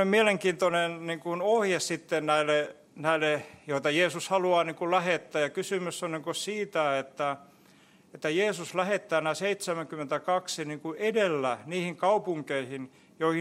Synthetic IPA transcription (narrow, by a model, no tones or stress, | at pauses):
emmieleŋkiːnt̪onenniŋkunohjessit̪ːennæile | næilejoit̪ɑjeːsushɑluɑːniːŋkullæhet̪ːæːjɑkysymysːonniŋkosiːt̪æet̪ːæ | et̪ːæjeːsuslæhet̪ːæːnæˑseit̪semæŋkymːˑent̪ækɑksiniːŋkuʔedelːæniːhiŋkɑupuŋkeihin | joihi